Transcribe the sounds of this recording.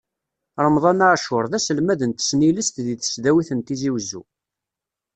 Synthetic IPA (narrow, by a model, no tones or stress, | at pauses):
ɾˤəmðˤɑnaʕʃʊɾˤðæsəlmæðənt̪ə̥sniləst̪ðiθə̥sðæwiθənt̪iziwzːṵ